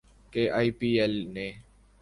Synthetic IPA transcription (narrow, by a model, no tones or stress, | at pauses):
keːʔaːipiːelnẽː